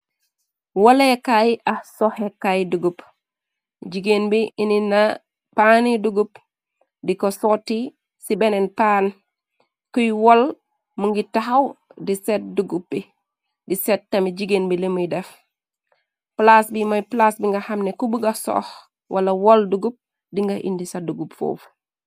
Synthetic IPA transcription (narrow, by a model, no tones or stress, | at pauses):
wɐlɛkajʔahsɔhɛkajduɡup | d͡ʒiɡenbiʔinina | paniduɡup | dikɔsɔtːi | sibɛnɛnpaːn | kujwɔl | muŋɡitaɦawdisɛt̚duɡup̚ːi | disɛt̚tːamid͡ʒiɡenbilemujdɛf | plasbimɔjplasbiŋɡahamnɛkubuɡasɔ̰h | wʔalawɔlduɡup̚ | diŋɡaʔḭndisaduɡupfo̰ːf